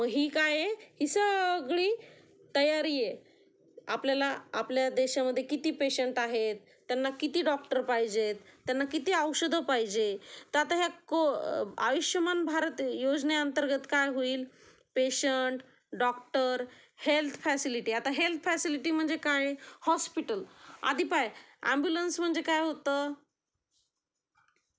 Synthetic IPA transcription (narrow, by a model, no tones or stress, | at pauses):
məɡɦiːkajehisəɡɭiː | t̪əjaɾiːje | apljalaːpljad̪eɕaməd̪ʱːjekit̪iːpeɕəɳʈaɦet̪ːjanːakit̪iːɖɔk̚ʈəɾpaɦjd͡ʑet̪ːjanːakit̪iːəwɕəd̪ʱəpajd͡ʑet̪at̪aɦjakoa̰ʋiɕjəmanbʱaɾət̪jod͡zneənt̪əɾɡət̪kajɦoiːl | peɕəɳʈ | ɖɔkʈəɾ | helt̪ʰfɛsiliʈiat̪aɦelt̪ʰfɛsiliʈim̤əɳd͡zekajehɔspiʈəla̰d̪ʱipajæ̰mbjulənsm̤əɳd͡zekajɦot̪ə